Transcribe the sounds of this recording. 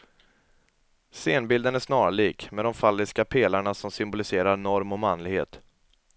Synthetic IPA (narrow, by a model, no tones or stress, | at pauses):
seːnbɪld̪ənæʂnɑːɾaɭiːkmɛd̪ɔmfalːɪskapʰeːlaɳasɔmsʏmbʊlɪseːɾaɾnɔɾmɔmanlɪɡhḛːt̪